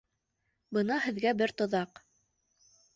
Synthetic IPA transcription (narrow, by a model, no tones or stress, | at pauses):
bɤnɑhɘ̆ðɡæbɘɾt̪ŏðɑq